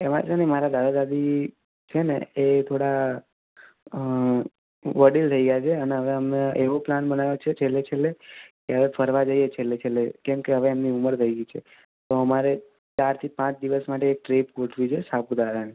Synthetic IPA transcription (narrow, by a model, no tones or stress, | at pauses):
ema̰t͡ʃenemaɾad̪ad̪ad̪ad̪i | t͡ʃʰenḛet̪ʰoɽa | ʋəɽilt̪ʰəiɡəjat͡ʃʰeəneɦəʋeəmneeʋoplanbənaʋjot͡ʃʰet͡ʃʰelːet͡ʃʰelːekeɦəʋepʰəɾʋad͡ʒəijet͡ʃʰelːet͡ʃʰelːekɛmkeɦəʋeːmniuməɾt̪ʰəiɡit͡ʃʰe | t̪oəmaɾe | t͡ʃaɾt̪ʰipãt͡ʃd̪iʋəsmaʈeːk̚ʈɾepkoʈʰʋit͡ʃʰesapud̪ad̪ani